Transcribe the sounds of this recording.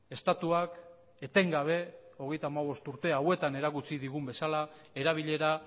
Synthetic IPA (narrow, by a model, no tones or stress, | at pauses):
e̞st̪at̪uak | e̞t̪e̞ŋɡaβ̞e̞o̞ɣ̞e̞jt̪aːmaβ̞o̞st̪uɾt̪e̞awe̞t̪ane̞ɾakut͡siðiɣ̞umbe̞sala | e̞ɾaβ̞iʎe̞ɾa